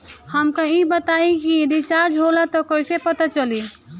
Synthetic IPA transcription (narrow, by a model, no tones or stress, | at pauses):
həmkãibət̪aːikied̪it͡ʃaːɾd͡ʒʱɦoːlat̪ɔkoːisepɐt̪at͡ʃəliː